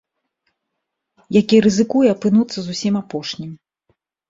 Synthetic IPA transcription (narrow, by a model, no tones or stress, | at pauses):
jakʲiɾɨzɨkujɛɐpɨnut̪sːɐzusʲimapɔʂnʲim